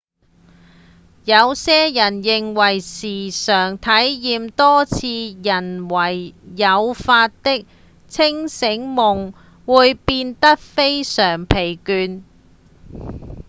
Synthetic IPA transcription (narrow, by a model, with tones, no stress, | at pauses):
jɐ˨˧wsɛː˥jɐ˨˩njɪ˨ŋwɐ˨˩jsiː˨˩sœː˨˩ŋt̪ʰɐ˨˥jjiː˨˧mt̪ɔː˥t͡sʰiː˧jɐ˨˩nwɐ˨˩jːɐ˨˧wfaː˧t̚t̪ɪ˥k̚ | t͡sʰɪ˥ŋsɪ˨˥ŋmʊ˨˩ŋ | wuː˨˧jpiː˧nt̪ɐ˥k̚fe˥jsœː˨˩ŋpʰe˨˩jkyː˧n